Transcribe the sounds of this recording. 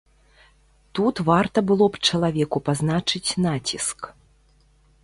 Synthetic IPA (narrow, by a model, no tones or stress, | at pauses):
t̪ut̪vart̪ɐbɨlˠɔpt͡ʂɐlˠavʲɛkupazn̪at͡ʂɨt͡sʲnat͡sʲisk